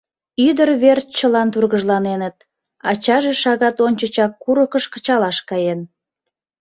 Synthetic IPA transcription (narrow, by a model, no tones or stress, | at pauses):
yd̪ərβert͡ɕəlɑnt̪urɣəʒlɑnenət̪̚ | ɑ̰t͡ɕɑʒeʃɑɣɑt̪onʲt͡ɕət͡ɕɑkːuɾəkəʃkə̥t͡ɕɑlɑʃkɑjen